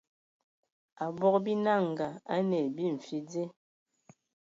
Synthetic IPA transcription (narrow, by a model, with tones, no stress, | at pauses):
a˨bɔ˦kbi˦na˦˨ŋ˨ɡa˨a˦nɛ˨bi˦˨ɱ̩˨fi˦d͡ze˦